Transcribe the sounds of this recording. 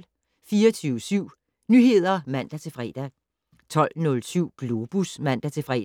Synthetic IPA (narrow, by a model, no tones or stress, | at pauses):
fiːɐt͡sʰyːʊsyʊ̰ | nyhe̝ð̞̰ˠɐmæn̰d̥æt͡sʰe̝fʁɛ̰d̥æ | t͡sʰɒ̽l̰nɔ̽lsyʊ̰ɡ̥lo̝b̥usmæn̰d̥æt͡sʰe̝fʁɛ̰ː